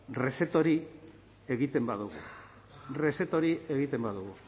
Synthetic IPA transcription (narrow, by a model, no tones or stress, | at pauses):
re̞se̞t̪o̞ɾi | e̞ɣit̪e̞mbaðuɣṵ | re̞se̞t̪o̞ɾie̞ɣit̪e̞mbaðuɣu